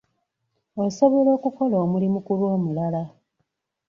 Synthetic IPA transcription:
oso̞βo̞lo̞ːkuko̞loːmulimukulwoːmulala

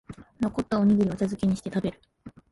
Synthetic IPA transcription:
noko̞t̪ːao̞ɲ̟iɡɯ̟ɾio̞t͡ɕazɨkʲeɲ̟iɕi̥t̪e̞t̪abe̞ɾɯ̟

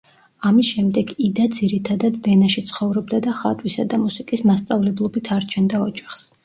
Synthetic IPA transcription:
amisʃɛmd̪ɛɡid̪ad̪ziɾit̪ʰad̪ad̪vɛnaʃit̪sʰχɔvɾɔbd̪ad̪aχa̰t̪ʼwisad̪amusikʼismast̪sʼavlɛblˠɔbit̪ʰaɾt͡ʃʰɛnd̪aɔd͡ʒaχs

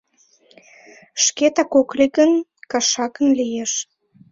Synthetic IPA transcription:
ʃket̪ɑkokliɡənkɑʃɑkə̆nlijeʃ

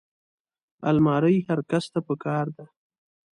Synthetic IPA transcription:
a̰lmɑɾəjhaɾkast̪apəkɑɾd̪a

